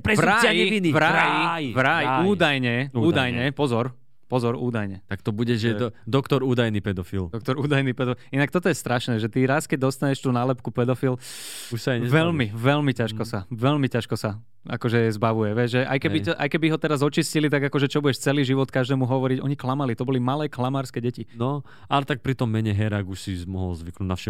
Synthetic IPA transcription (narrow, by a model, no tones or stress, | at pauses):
pɾɛzvɾaaɛinivɾajiʋɾajuːd̪ajɲɛuːd̪ajɲɛpɔzɔɾ | pɔzɔɾṵːd̪ajɲɛt̪akt̪ɔbuɟɛʒɛd̪ɔkt̪ɔɾuːd̪ajnipɛd̪ɔfḭld̪ɔk̚t̪ɔɾuːd̪ajniːpɛd̪ɔfinak̚t̪ɔt̪ɔjɛst̪ɾaʃnɛːʒɛt̪iɾaskɛɟ̚d̪ɔst̪aɲɛʃt̪uːnalɛpkupɛd̪ɔfiluʃsaɲɛʋɛlmiʋɛlmicaʃkɔsaʋɛlmicaʃkɔsa | a̰kɔʒɛɛzbaʋujɛʋɛʒɛʔa̰jkɛbiɔʔajkɛbiɦɔt̪ɛɾazɔt͡ʃiscilit̪aɡakɔʒɛt͡ʃɔbuɟɛʃt͡sɛliːʒiʋɔt̪kaʒd̪ɛːmuɦɔʋɔɾiɟɔɲiklamalit̪ɔbɔlimalɛːklamaːɾskɛɟɛcinɔ | alɛt̪ak̚pɾit̪ɔmːɛɲɛɦɛɾaɡuʃsizmɔɦɔlzʋiknunafʃɛ